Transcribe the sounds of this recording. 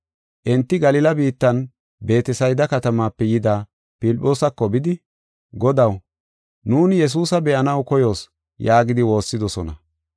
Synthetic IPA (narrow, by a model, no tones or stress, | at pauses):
ʔɛnt̪ːɪɡɐlɪlɐbiːt̪ːɐn | be̞ːt̪ɛsɐjd̪ɐkɐt̪ɐmaːpːɛjɪd̪aː | pɪlpʼːo̞ːsɐkːɔbɪd̪ɪ | ɡɔd̪ɐw | nuːnjɛs̬uːsɐbɛʔɐnɐwkɔjo̞ːs | jaːɡɪd̪ɪwo̞ːsːɪd̪ɔsɔnɐ̰